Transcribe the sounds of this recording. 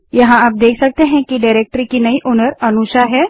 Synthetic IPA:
jɐɦãaːp̚d̪eːkʰsɐk̚t̪eɦɛ̃kiɖaːɪɾeːk̚ʈɾikinɐiʔoːnəɾɐnuʃaɦɛː

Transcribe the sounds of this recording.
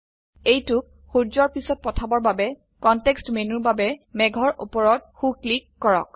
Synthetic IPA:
ejtʊk̚ | xuɹzɔɹpisɔt̚pɔtʰabɔɹbabɛ | kɔntɛkstmenuɹbabɛmɛɡʱɔɹʔṵpɔɹɔt̚xuklikːɔɹɔ̰k̚

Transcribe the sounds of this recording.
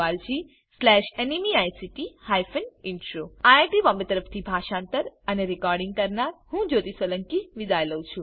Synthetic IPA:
ald͡ʒʰi | slɛʃenimiajsiʈihajfənɪɳʈɾoaeʈibɔmbet̪əɾəft̪ʰibʱaʃãnt̪əɾəneɾikɔɾɖiŋɡ̚kəɾnaɾhũd͡ʒot̪isələŋkiʋid̪ajləũt͡ʃʰũ

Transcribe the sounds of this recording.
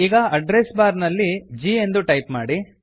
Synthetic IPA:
iːɡɐɐɖɾesbaːɾnɐlːid͡ʒiːend̪uʈɐjpmaːɽi

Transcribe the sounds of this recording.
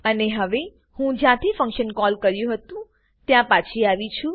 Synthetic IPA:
əneɦəʋe | hũd͡ʒjãt̪ʰifə̃ŋkʃənkɔlkəɾjũɦət̪ũ | t̪jãpat͡ʃʰiaʋit͡ʃʰũ

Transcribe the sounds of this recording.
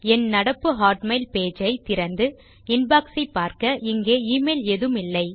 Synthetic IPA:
ɛnnɐɽɐpːɯɦaːʈmɐɪlpeːd͡ʒɐɪt̪ɪɾɐnd̪ɯ | ɪnbaːksɐɪpːaːɾkɐʔɪŋɡeːiːmeɪlɛðɯmɪlːɐɪ

